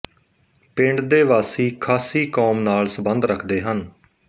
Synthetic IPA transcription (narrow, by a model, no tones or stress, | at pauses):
pɪ̃ɳɖd̪eːʋaːsiːkʰaːsiːkoːmnaːlsəbənd̪ɾəkʰd̪eːɦən